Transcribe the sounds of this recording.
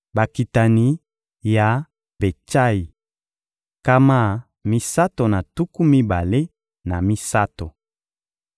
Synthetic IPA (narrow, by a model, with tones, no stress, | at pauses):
ba˨ki˨ta˨ni˨ | ja˨ | be˨t͡ʃa˦i˨ | ka˦ma˦˨ | mi˦sa˦to˨na˨tu˦ku˦mi˦ba˨le˦ | na˨mi˦sa˦to˨